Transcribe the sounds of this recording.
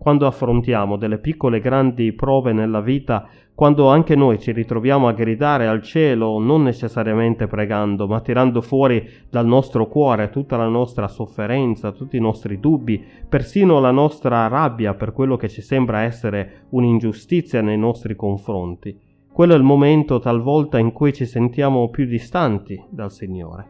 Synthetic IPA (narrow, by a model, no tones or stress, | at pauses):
kwand̪oafːɾont̪jaːmod̪elːepikːoleɡɾand̪ipɾɔːvenelːaviːt̪a | kwand̪oaŋkenojt͡ʃirit̪ɾovjaːmoaɡɾid̪aːɾealt͡ʃɛːlononːet͡ʃesːaɾjament̪epɾeɡand̪omat̪ːiɾand̪ofwɔːɾi | d̪alnɔst̪ɾokwɔːɾet̪ut̪ːalanɔst̪ɾasofːeɾɛnt̪sat̪ut̪ːinɔst̪ɾid̪ubːipersiːnolanɔst̪ɾarabːjaperkwelːok̟et͡ʃːisɛmbɾaɛsːeɾe | unind͡ʒust̪it̪sːjanejnɔst̪ɾikoɱfɾont̪i | kwelːoɛlmomɛnt̪ot̪alvɔlt̪aiŋkujt͡ʃisent̪jaːmopjud̪ist̪ant̪id̪alsiɲːo̰ːɾe